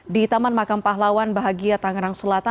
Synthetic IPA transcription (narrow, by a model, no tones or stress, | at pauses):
dit̪amanmakampaɦlawanbaɦaɡiat̪aŋɾaŋsəlat̪a